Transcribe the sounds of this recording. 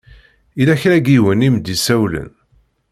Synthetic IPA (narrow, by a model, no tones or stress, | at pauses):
ilæçɾæɡiwənimd̪isæwlə̰n